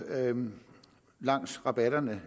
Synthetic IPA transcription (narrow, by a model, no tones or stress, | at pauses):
lɑ̈ŋ̰sʁɑ̈b̥æɾɐnə